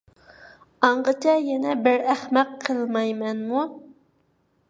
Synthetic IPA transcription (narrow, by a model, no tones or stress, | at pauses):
ɑɴʁət͡ʃʰɛjɛnɛbɪɾæχmɛqʰːəlˠmɑjmɛnmu